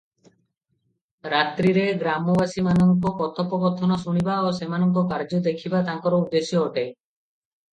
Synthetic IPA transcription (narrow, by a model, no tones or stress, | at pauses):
ɾat̪ɾiɾeɡɾamɔbasimanɔŋkɔkɔt̪ʰɔpɔɡɔɾt̪ʰɔnɔsuɽ̃ibaosemanɔŋkɔkaɾd͡ʒɔd̪ekʰibat̪aŋkɔɾɔud̪ːesjɔːʈej